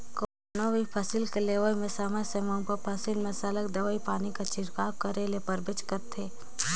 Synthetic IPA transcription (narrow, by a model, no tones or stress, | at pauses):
ko | nobipʰɐsɪlkeleːʋəimẽsəməsemɐ̃pəpʰɐsilmẽsɐləkd̪ɐʋəipaːnikat͡ʃɪɾkaːkɐɾelepɐɾbɪt͡ʃkɐɾt̪ʰeː